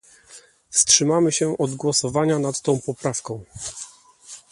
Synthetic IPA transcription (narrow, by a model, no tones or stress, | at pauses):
fstʂɘmamɘɕɛʔɔd̪ɡwɔsɔvaɲanat̪ːɔ̃w̃pɔpɾafkɔ̃w̃